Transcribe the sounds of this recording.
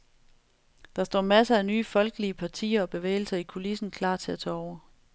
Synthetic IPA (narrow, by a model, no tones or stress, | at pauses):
d̥ɑ̈sd̥ɒ̰ːmæsəænyːfɒ̽lɡ̥əliəpʰɑ̈t͡sʰḭːɐɒ̽b̥e̝ʋḛːɪl̩sɐikʰo̝lisn̩kʰlɑ̰̈ːt͡sʰe̝æt͡sʰɛ̰ːɒʊɐ